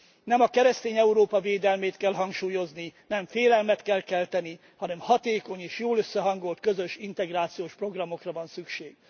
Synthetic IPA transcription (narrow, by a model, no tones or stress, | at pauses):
nɛmɒkɛɾɛst̪eːɲɛuɾoːpɒveːd̪ɛlmeːt̪kɛlɦɒŋkʃuːjo̞zninɛɱfeːlɛlmɛt̪kɛlkɛlt̪ɛni | hɒnɛmhɒt̪eːko̞ɲeːʃjoːløsːɛɦɒŋɡo̞lt̪̚kø̞zø̞ʃint̪ɛɡraːt̪sijoːʃpro̞ɡrɒmo̞krɒvɒnsykʃeːɡ̥